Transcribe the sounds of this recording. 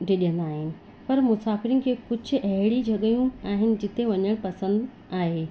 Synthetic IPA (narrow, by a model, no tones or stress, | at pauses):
ɖʱeɗijə̃nd̪aaːɦɪnɪ̆ | pɐɾmʊsaːfɪɾinɪ̆kʰeːkʊd͡ʑʱʊ̆ʔɐɦɪɽid͡ʑʱɐɠəjũaːɦɪnɪ̆d͡ʑɪt̪eʋɐɲəɽ̃pɐsə̃nd̪ | aːɦe